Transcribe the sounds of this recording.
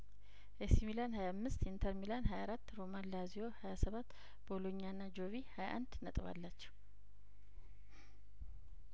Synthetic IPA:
ʔesmilanhajamːɨst̪int̪ʰəɾmilanɦajaɾat̪ːɾomanːazijo̞hajasəβat̪ː | boloɲːanːad͡ʒoβihaja̰ʔa̰nd̪nət̪ʼβa̰lːat͡ʃːɛ̥w

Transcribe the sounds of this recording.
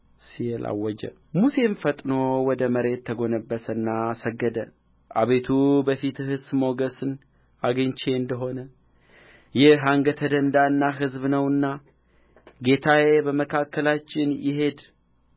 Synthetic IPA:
sijɛla̰wːɔd͡ʒə̰ | muse̞mfət̪ʼno̞wɔd̪əməɾe̞t̪ʰːəɡo̞nəbːəsənːasəɡːəd̪ə | ʔaβe̞t̪ʰubəfit̪hɨsmo̞ɡəsɨn | aɡəɲt͡ʃe̞ɨnd̪əɦo̞nə | jɪɦaŋɡət̪ʰəd̪ənd̪aɨnːaɦɨzbnəwɨnːa | ɡe̞t̪ʰawebəməkʰakːəlat͡ʃːɪnjɪɦe̞d̪

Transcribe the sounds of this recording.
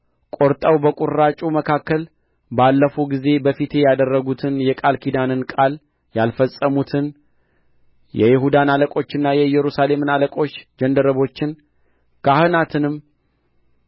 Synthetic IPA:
kʼo̞ɾt̪ʼəwbəkʼuɾːat͡ʃʼuməkʰakːəl | balːəfuɡize̞bəfit̪ʰe̞jad̪ərːəɡut̪ʰɨnjɛkʼalkʰid̪anɨnkʼal | jalfəsʼəmut̪ʰɨn | jɛ̰jɪɦud̪analəkʼo̞t͡ʃːɪnːajɛjɛɾusale̞mɨnaləkʼo̞t͡ʃːd͡ʒənd̪əɾəβo̞t͡ʃːɪn | kʰahɨnat̪ʰɨnɨm

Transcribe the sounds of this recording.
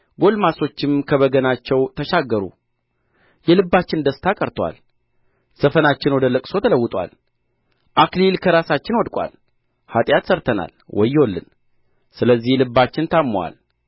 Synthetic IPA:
ɡo̞lmaso̞t͡ʃːɪmkʰəβəɡənat͡ʃːɛwt̪ʰəʃaɡːəɾṵ | jɛlɨbːat͡ʃːɪnd̪əst̪ʰakʼəɾt̪ʰwa̰l | səfənat͡ʃːɪnwɔd̪ələkʼso̞t̪ʰələwːʊt̪ʼwa̰l | ʔaklilkʰəɾasat͡ʃːɪnwɔd̪kʷʼwa̰l | hat̪ʼjat̪səɾt̪ʰəna̰lwʔɔ̰jːwolːɨ̰n | sɨləzːihlɨbːat͡ʃːɪnt̪ʰamːwa̰l

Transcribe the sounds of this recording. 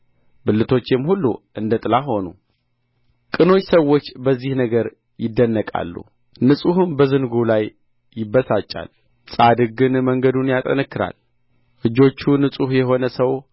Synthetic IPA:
bɨlːɨt̪ʰo̞t͡ʃːɪmhulːṵʔɨnd̪ət̪ʼɨlaɦo̞nu | kʼɨno̞t͡ʃːsəwːo̞t͡ʃːbəzːihnəɡəɾ | jɪd̪ːənːəkʼa̰lːṵ | nɨsʼuhɨnbəzɨnɡulajː | ɪbəsat͡ʃʼːa̰l | sʼad̪ɨɡɨnməŋɡəd̪unjat̪ʼə̰nəkːɨɾa̰l | ʔɨd͡ʒo̞t͡ʃːunɨsʼuhjɛɦo̞nəsəw

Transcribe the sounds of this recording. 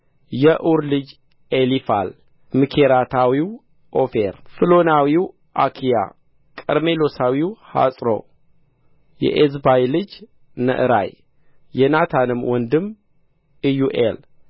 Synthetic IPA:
jɛʔuɾlɨd͡ʒ | elifa̰l | mɨkʰeɾat̪ʰawiw | ʔofeɾfɨlo̞nawiw | ʔakʰija̰ | kʼəɾme̞lo̞sawiwha̰sʼɾo̰ | jɛ̰ʔezbajlɨd͡ʒ | nə̰ʔɨɾa̰j | jɛnat̪ʰanɨmwʔɔnd̪ɨm | ɨjuʔḛl

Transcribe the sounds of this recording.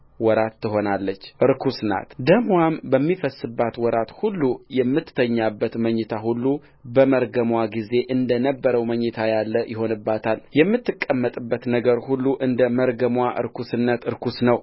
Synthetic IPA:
wɔɾat̪ːɨɦo̞nalːət͡ʃːʔɨɾkʰusna̰t̪d̪əmwambəmːifəsːɨbːat̪wɔɾat̪hulːujɛmːɨt̪ːt̪ʰəɲːabːət̪məɲːɨt̪ʰahulːu | bəməɾɡəmwaɡize̞ʔɨnd̪ənəbːəɾəwməɲːɨt̪ʰajalːəjɪɦo̞nɨbːat̪ʰaljɛmːɨt̪ːɨkʼːəmːət̪ʼɨbːət̪nəɡəɾhulːuʔɨnd̪əməɾɡəmwaʔɨ̰ɾkʰusɨnːət̪ɨɾkʰusnəw

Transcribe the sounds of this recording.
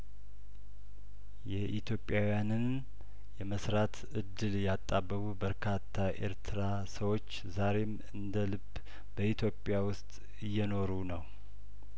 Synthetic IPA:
jɛʔit̪ʰjopʼːjawjanɨn | jɛməsɾat̪ʰ | ɨd̪ːɨljat̪ʼːabːəβubəɾkʰat̪ʰːaʔe̞̰ɾt̪ʰɨɾa | səwo̞t͡ʃːzaɾe̞m | ɨnd̪əlɨb | bəit̪ʰjo̞pʼːjawʊst̪ʼ | jːɛno̞ɾunəw

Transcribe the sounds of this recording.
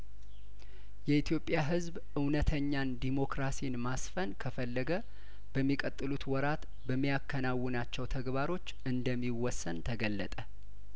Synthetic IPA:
jɛit̪jo̞pʼːjaɦɨzbʔɨwnət̪ʰəɲːand̪imo̞kɾasijnmasfənkʰəfəlːəɡə | bəmːikʼət̪ʼːɨlut̪wɔɾat̪ | bəmːijakʰːənawːɨnat͡ʃːɛwt̪ʰəɡbaɾo̞t͡ʃːɨnd̪əmːiwɔsːənt̪ʰəɡəlːə̰t̪ʼə

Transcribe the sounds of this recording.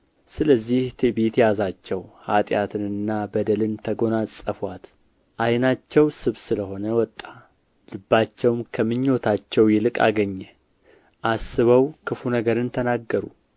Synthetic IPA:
sɨləzːiht̪ʰebet̪jazat͡ʃːɛwhat̪ʼjat̪ʰɨnɨnːabəd̪əlɨnt̪ʰəɡo̞nasʼəfwat̪ | ʔajnat͡ʃːɛwsɨβsɨləho̞nəwɔt̪ʼːa | lɨbːat͡ʃːɛwmkʰəmɨɲːo̞t̪ʰat͡ʃːɛwjɛlɨkʼa̰ɡəɲːɛ | ʔasːɨβəwkʰɨfunəɡəɾɨnt̪ʰənaɡːəɾṵ

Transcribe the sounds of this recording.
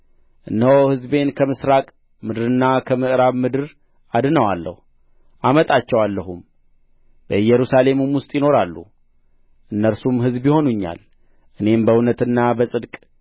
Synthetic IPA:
ʔɨnːəohɨzbe̞nkʰəmɨsɾakʼ | mɨd̪ɨɾɨnːakʰəmɨʔɾaβmɨd̪ɨɾ | ʔad̪ɨnəwalːə̰hu | ʔamət̪ʼat͡ʃːɛwalːəɦum | bəɨjɛɾusale̞mumwʊst̪ʼjɪno̞ɾalːṵ | ʔɨnːəɾsumɦɨzbjɪho̞nuɲːa̰l | ʔɨne̞mbəwnət̪ɨnːabəsʼɨd̪kʼ

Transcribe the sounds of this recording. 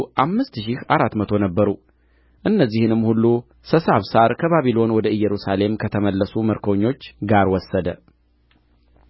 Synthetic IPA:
ʔamːɨst̪ʃɪhaɾat̪mət̪ʰo̞nəbːəɾu | ʔɨnːəzːihɨnɨmːhulːu | səsaβsaɾkʰəβaβilo̞nwɔd̪əɨjːɛɾusale̞mkʰət̪ʰəməlːəsuməɾkʰoɲːo̞t͡ʃːɡaɾwɔsːəd̪ə

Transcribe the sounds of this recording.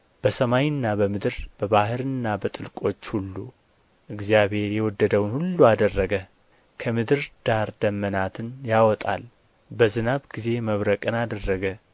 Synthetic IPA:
b̥əsəmajɨnːabəmɨd̪ɨɾb̥əβaɦɨɾɨnːabət̪ʼɨlkʼo̞t͡ʃːhulːu | ʔɨɡzjaβhe̞ɾjɛwɔd̪ːəd̪əwnhulːuad̪ərːəɡə | kʰəmɨd̪ɨɾd̪̥aɾd̪əmːənat̪ʰɨnjawɔt̪ʼa̰l | bəzɨnaβɡize̞məβɾəkʼɨnad̪ərːəɡə

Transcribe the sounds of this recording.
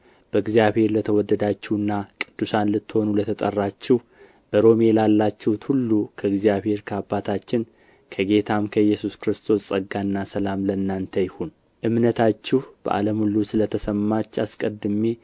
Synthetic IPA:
b̥əɨɡzijaβhe̞ɾlət̪ʰəwɔd̪ːəd̪at͡ʃːɛwɨnːakʼɨd̪̥ːusanlɨt̪ːɨho̞nulət̪ʰət̪ʼə̰rːat͡ʃːɪh | b̥əɾo̞melalːat͡ʃːɛwt̪hulːukʰəɨɡzijaβhe̞ɾkʰəabːat̪ʰat͡ʃːɪn | kʰəɡe̞t̪ʰamkʰəɨjːɛsuskɨɾɨst̪ʰo̞sʼəɡːanːasəlamlənːant̪ʰəjɪhun | ʔɨmnət̪ʰat͡ʃːɪhb̥ə̰ʔa̰ləmulːusɨlət̪ʰəsəmːat͡ʃːaskʼəd̪ɨme

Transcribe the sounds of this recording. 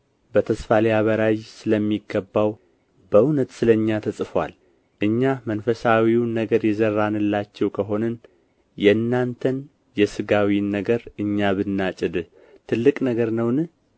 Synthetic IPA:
bət̪ʰəsfaleaβəɾajsɨləmːiɡəbːaw | bəunət̪sɨləɲːat̪ʰəsʼɨfwa̰l | ʔɨɲːamənfəsawiwnːəɡəɾjɛzərːanɨlːat͡ʃːɛwkʰəɦo̞nən | jɛnːant̪ʰən | jɛsɨɡawinːəɡəɾɨɲːaβɨnːat͡ʃʼɨd̪ɨ | t̪ʰɨlːɨkʼnəɡəɾnəwnɨ

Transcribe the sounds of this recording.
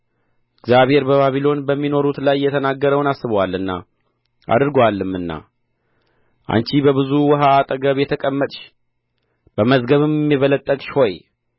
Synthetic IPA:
ɪɡzjaβhe̞ɾbəβaβilo̞nbəmːino̞ɾut̪lajːɛt̪ʰənaɡːəɾəwnasːɨβəwalːɨnːa̰ | ʔa̰d̪ɨɾɡwalːɨmːɨnːa̰ | ʔa̰nt͡ʃibəβɨzuwɔɦaːt̪ʼəɡəβjɛt̪ʰəkʼəmːət̪ʼʃ | b̥əməzɡəβɨmɛmːiβələt̪ʼːəkʼʃho̞j

